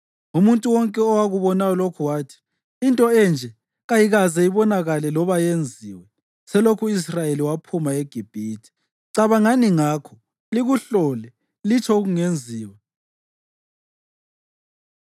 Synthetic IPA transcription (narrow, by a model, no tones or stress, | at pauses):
umuntʼuwɔŋkʼɛɔwaɣuβɔnajɔlokʰuwaːtʰi̥ː | ntʼɔɛnd͡ʒʱɛ | ɣajiɣazɛiβɔnaɣalɛlɔβajend͡zʱiːwɛ | sɛlokʰuis̬rajeliwapʰumaeɡ̥ʱib̥ʱiːtʰi̥ | ǀaβaŋaniŋaːkʰɔ | liɣuɬɔːlɛ | lit͡ʃʰɔɣuŋend͡zʱiːwɛ